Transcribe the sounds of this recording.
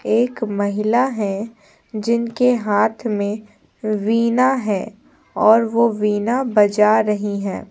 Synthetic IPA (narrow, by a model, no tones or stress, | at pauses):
eːkmɐɦɪlaɦɛ̃ | d͡ʒɪnkeɦaːt̪ʰmẽ | ʋiːnaɦɛː | ɔːɾʋoʋiːnabɐd͡ʒaɾɐɦiɦɛ̃ː